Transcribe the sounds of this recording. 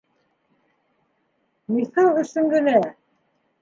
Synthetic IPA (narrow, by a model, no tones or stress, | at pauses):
mixɑlˠɵ̆sɵ̆ŋɡɘ̆næ